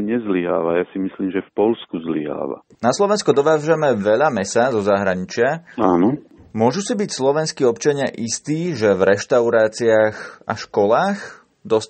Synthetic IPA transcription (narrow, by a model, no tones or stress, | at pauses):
ɲɛzliɦa̰ːʋajasimisliːmʒɛfpɔlskuzlḭɦa̰ːʋa̰ | naslɔʋɛnskud̪ɔʋaːʒamɛʋɛʎamɛsazɔzaɦɾaɲit͡ʃɪaaːnɔmʊɔʒusibicslɔʋɛnskiːɔpt͡ʃaɲɪaʔist̪iːʒɛvɾɛʃt̪aʊɾaːt͡siaxa̰ʃkɔlaːx | d̪ɔs